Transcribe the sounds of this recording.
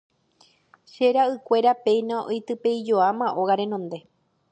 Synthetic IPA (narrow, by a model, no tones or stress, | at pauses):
ʃe̞ɾaɨkʷe̞ɾape̞jnãojt̪ɨpe̞jd͡ʒo̞amãʔo̞ɣaɾẽ̞nõnd̪e̞